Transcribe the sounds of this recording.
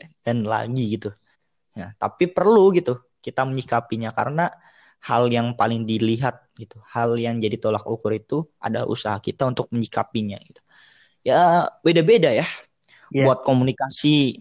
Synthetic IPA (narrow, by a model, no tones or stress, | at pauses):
danla̰ɡiɡit̪u | jat̪a̰pipərluɡit̪u | kit̪aməɲikapiɲaka̰ɾəna | haljaŋpalɪŋdiliɦat̪̚ɡit̪uhaljaŋd͡ʒadit̪olakukʊɾit̪ua̰daʔṵsaɦakit̪aunt̪ʊk̚məɲikapiɲa̰ɡit̪u̥ | jabedabedaja | buat̪̚komunikasi